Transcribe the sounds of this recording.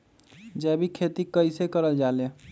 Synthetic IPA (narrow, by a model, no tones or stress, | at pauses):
d͡ʒɛbʱikʰet̪ikəɪsekəɾəld͡ʒale